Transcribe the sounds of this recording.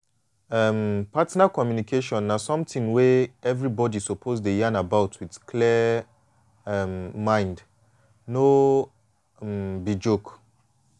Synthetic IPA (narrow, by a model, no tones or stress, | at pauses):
ɛmpatnakɔmjunikʰeʃɔ̃nːasɔ̃mtĩŋweɛvɹibɔdisɔpʰozdejãnabaʊtʰwið̥kʰli | ɛmmãɪ̃nd | no | mbid͡ʒok